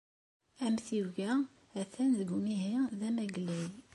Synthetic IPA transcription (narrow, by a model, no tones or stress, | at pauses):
æmθiwʝæ | æθænðəɡmiɦiðæmæɡlæj